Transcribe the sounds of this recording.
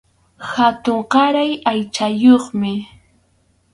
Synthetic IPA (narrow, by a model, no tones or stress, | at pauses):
xat̪oɴqɑɾajajt͡ʃajoχmɪ